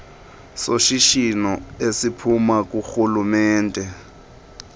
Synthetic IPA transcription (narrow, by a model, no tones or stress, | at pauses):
soʃiʃinɔesipʰumak̬ʼuxulumɛːntʼɛ